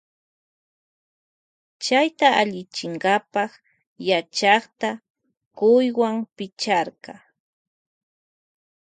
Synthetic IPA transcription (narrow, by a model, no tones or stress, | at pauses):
t͡ʃajt̪aʔaʎɪt͡ʃɪɴɢɑpɑχ | jat͡ʃɑχt̪a | kʊjwaŋpɪt͡ʃaɾɢɑ